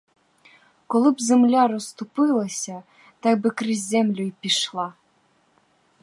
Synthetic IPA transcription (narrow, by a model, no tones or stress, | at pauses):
kolˠɨpzɘ̆mlʲɑɾŏst̪upɨlˠɤ̆sʲɑ | t̪ɑk̚bɨkrizʲemlʲujpʲiʃlˠɑ